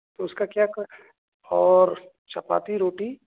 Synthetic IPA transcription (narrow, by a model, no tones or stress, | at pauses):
t̪oʊskakjaːk | ɔːɾ | t͡ʃɐpa̰ːt̪iɾoːʈi